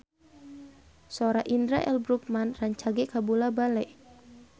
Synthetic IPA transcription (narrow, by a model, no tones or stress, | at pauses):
soɾaʔindɾa̰ʔɛlbɾuk̚manraɲt͡ʃaɡɛkabulabalɛʔ